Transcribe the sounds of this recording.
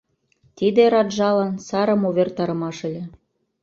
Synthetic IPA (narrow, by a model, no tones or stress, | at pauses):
t̪id̪eɾɑd̪ʒɑlɑnsɑɾɤ̆moβʲert̪ɑɾɤ̆mɑʃə̆lʲĕ